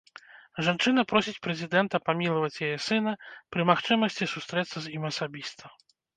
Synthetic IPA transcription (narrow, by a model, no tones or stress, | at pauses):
ʐant͡ʂɨnɐpɾɔsʲit͡sʲpɾɛzʲid̪ɛnt̪ɐpamʲilˠɐvɐt͡sʲjajɛsɨnɐpɾɨmaxt͡ʂɨmɐsʲt͡sʲisust̪ɾɛt̪sːɐzʲimɐsabʲist̪ɐ